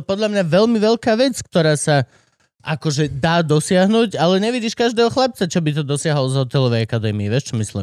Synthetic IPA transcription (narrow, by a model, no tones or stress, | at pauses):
pɔd̪ʎamɲaʋɛʎmiʋɛʎkaːʋɛt͡skt̪ɔɾaːsa | ʔakɔʒɛd̪aːd̪ɔsɪaɦnuɟalɛɲɛʋiɟiːʃkaʒd̪ɛːɦɔxlap̚t͡sat͡ʃɔbit̪̬ɔd̪ɔsɪaɦɔlɔzɦɔt̪ɛlɔʋɛjakad̪ɛːmiiʋjɛʃt͡ʃɔmislḭ